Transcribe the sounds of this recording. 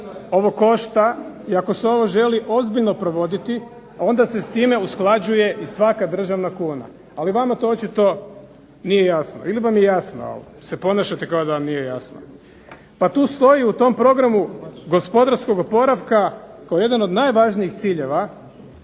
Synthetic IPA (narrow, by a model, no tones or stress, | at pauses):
o̞ʋo̞ko̞ʃt̪a | iako̞seo̞ʋo̞ʒe̞liʔo̞zbiʎno̞pɾo̞ʋo̞d̪it̪i | ao̞nd̪ase̞st̪ime̞usklˠad͡ʑuje̞ʔisʋakad̪r̩ʒaʋnakuːna̰ | aliʋamat̪oot͡ʃit̪o̞ | nije̞jasno̰iliʋamje̞jasno̰o̰ʋo̰se̞po̞naʃat̪ekaod̪aʋamnije̞ja̰sno̰ | pat̪uːst̪o̞jiut̪o̞mpɾo̞ɡɾamuɡo̞spo̞d̪aɾsko̞ɡopo̞ɾaʋkakaoje̞d̪ano̞d̪najʋaʒniixt̪siːʎe̞ʋa